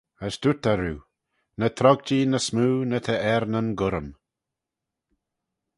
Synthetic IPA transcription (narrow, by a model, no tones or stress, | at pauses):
əsd̪̥ut̪aɾuː | nət̪ʰɾɔɡ̚d͡ʒinəsmuːnət̪ʰəɛɾnənɡʊɾəm